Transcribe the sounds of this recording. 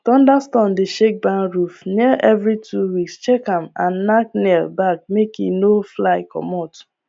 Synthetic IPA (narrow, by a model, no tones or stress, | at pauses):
tɔ̃ndastɔ̃ndeʃek̚bãnɹufniʔɛvɹituwikst͡ʃɛkãmã̰nːak̚nɛlbak̚mekḭnoflaɪkɔ̰mɔtu̥